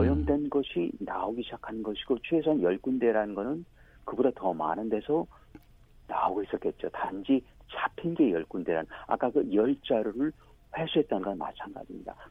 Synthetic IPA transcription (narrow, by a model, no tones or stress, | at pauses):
ʌjʌŋdwe̞nɡʌɕʰinaoɡiɕʰid͡ʑakʰanɯnɡʌɕʰi̥ɡ̥ot͡ɕʰwe̞sʰanjʌɭk͈unde̞ɾanɯnɡʌnɯn | kɯbodatʌma̰nɯnde̞sʰʌ | na̰oɡois͈ʌtk͈e̞t̚t͡ɕ͈otand͡ʑit͡ɕapʰinɡe̞jʌɭk͈undwe̞ɾa̰nɯna̰k͈akɯjʌɭt͡ɕ͈aɾoɾɯɭ | ɸwesʰuɦe̞t̚t͈anɯnɡʌnma̰t͡ɕʰanɡa̰d͡ʑimɲida̰